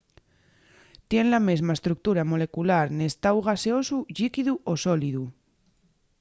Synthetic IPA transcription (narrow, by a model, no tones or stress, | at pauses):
t̪je̞nlamezmaest̪ɾuk̚t̪uɾamole̞kulaɾne̞st̪awɣ̞aseosuʎikiðuʔosoliðu